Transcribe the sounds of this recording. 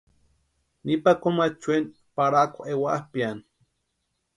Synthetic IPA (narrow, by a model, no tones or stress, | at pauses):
nipakomat͡ʃwen | paɾakʷaʔewaʔhpian